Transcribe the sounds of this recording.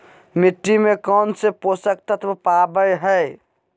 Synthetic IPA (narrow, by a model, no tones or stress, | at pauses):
miʈːimekɔnseposək̚t̪ət̪ʰbpabəjɦəj